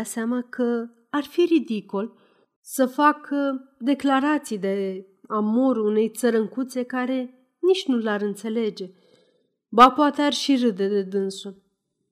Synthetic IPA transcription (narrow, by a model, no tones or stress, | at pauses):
aseamakə | arfiɾid̪ikol | səfakəd̪e̞klaɾat̪sijd̪e̞ | amoɾuune̞jt̪səɾəŋkut̪sekaɾe̞ | nit͡ʃnulaɾɨnt̪se̞le̞d͡ʒe̞ | bapat̪earʲʃirɨd̪ed̪e̞d̪ɨnsu